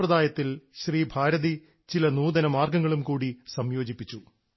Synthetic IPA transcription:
rɐd̪aːjɐt̪ːilɕriːbʱaːɾɐði | t͡ɕilɐnuːðɐnɐmaːrɡɐŋːɐɭumkuːɽisɐmjo̞ːd͡ʑipːit͡ɕːu

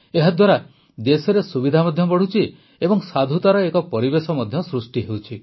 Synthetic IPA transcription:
eɦad̪waɾa | d̪esɔɾesubid̪ʱamɔd̪ʱjɔbɔɽ̤ut͡ʃʰi | ebɔŋsad̪ʱut̪aɾɔekɔpɔɾibesɔmɔd̪ʱjɔsɾusʈiɦewt͡ʃʰi

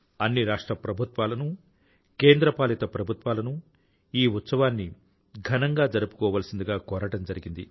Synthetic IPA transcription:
ɐnːiɾaːʂʈɾɐpɾɐbʱut̪ʋaːlɐnu | ke̞ːnd̪ɾɐpaːlit̪ɐpɾɐbʱut̪ʋaːlɐnu | iːut̪sɐʋaːnːi | ɡʱɐnɐŋɡaːd͡ʒɐɾupu̥kɔːʋaːlɐsind̪uɡaːkɔːɾɐʈɐmd͡ʒɐɾiɡind̪i

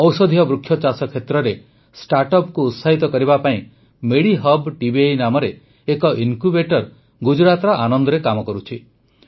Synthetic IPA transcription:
ɔwsɔd̪ʱijɔbɾukʰjɔt͡ʃasɔkʰːet̪ɾɔɾe | sʈaɾʈɔpkuːt̪saɦit̪ɔkɔɾibapaĩ | meɽiɦɔbʈibiejnamɔɾeː | kɔʔiŋkubeʈɔɾ | ɡud͡ʒɾat̪ɔɾɔʔanɔnd̪ɔɾekamɔkɔɾut͡ʃʰi

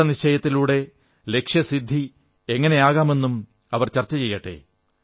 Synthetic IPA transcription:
ɐnit͡ɕɐjɐt̪ːiluːɽe̞ | le̞kʂjɐsid̪ʱːi | eŋːɐne̞aːɣaːme̞nːum | ɐʋɐrt͡ɕɐrt͡ɕːɐt͡ɕe̞jːɐʈːḛ

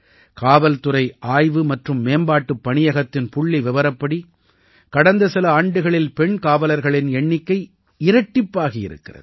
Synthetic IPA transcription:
kaːʋɐlt̪ɯɾɐɪʔaːjʋɯmɐʈrɯmːeːmbaːʈːɯpːɐɳɪjɐɣɐt̪ːɪnpʊɭːiʋɪʋɐɾɐpːɐɽi | kɐɽɐnd̪ɐsɪlɐaːɳɖɯɣɐɭɪlpɛɳkaːʋɐlɐɾɣɐɭɪnɛɳːɪkːɐɪ | ɪɾɐʈːɪpːaːɣɐjɪ̰ɾɯ̰kːɪrɐ̰ðɯ

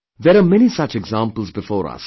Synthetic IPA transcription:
ðɛɾamɛñisʌt͡ʃɛɡzãːmpəlˠzbɪfɔːɾɐ̰s

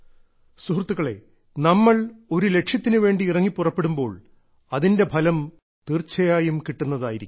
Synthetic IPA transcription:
suɦrt̪ːuɣɐɭe̞̰ | nɐmːɐɭo̞ɾule̞kʂjɐt̪ːinɨʋe̞ːɳɖiːrɐŋːipːurɐpːe̞ɽumbo̞ːɭ | ɐðinde̞bʱɐlɐm | t̪irt͡ɕːɐjaːjumkiʈːunːɐðaːjiɾikʲː

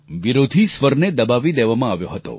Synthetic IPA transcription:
ʋiɾod̪ʱisʋəɾned̪əbaʋid̪eʋamãaʋjoɦət̪o̰

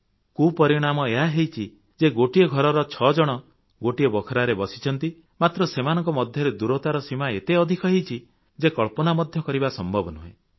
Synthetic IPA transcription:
kupɔɾiɽ̃amɔeɦaɦejt͡ʃʰi | d͡ʒeɡoʈijɔɡʱɔɾɔɾɔt͡ʃʰɔd͡ʒɔɽ̃ɔ | ɡoʈiɔbɔkʰɔɾaɾebɔsi̥t͡ʃʰɔnt̪i | mat̪ɾɔsemanɔŋkɔmɔd̪ʱjɔɾed̪uɾɔt̪aɾɔsimaet̪eɔd̪ʱikɔɦejt͡ʃʰi | d͡ʒekɔɭpɔnamɔd̪ʱjɔkɔɾibasɔmbʱɔbɔnuɦḛ̃

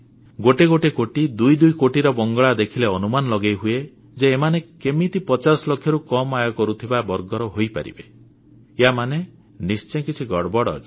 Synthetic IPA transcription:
ɡoʈeɡoʈekoʈid̪ujd̪ujkoʈiɾɔbɔŋɡɔɭad̪ekʰileɔnumanɔlɔɡejɦue | d͡ʒeːmanekemit̪ipɔt͡ʃasɔlokʰːjɔɾukɔmajɔkɔɾut̪ʰibabɔɾɡɔɾɔɦojpa̰ɾḭbe | eɦamane | nist͡ʃɔjkit͡ʃʰiɡɔɽbɔɽɔ̰t͡ʃʰi

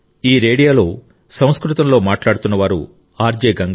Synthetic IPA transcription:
iːɾeːɽijaːlo̞ː | sɐ̃w̃skɾut̪ɐmlo̞ːmaːʈlaːɽut̪unːɐʋaːɾṵ | aːɾd͡ʒeːɡɐŋɡ

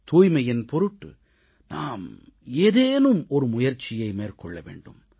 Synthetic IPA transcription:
t̪uːjmɐjɪnpɔɾɯʈːɯ̰ | na̰ːm | eːðeːnɯmɔɾɯmʊjɐɾt͡ʃːɪjɐɪmeːrkɔɭːɐʋḛːɳɖɯm

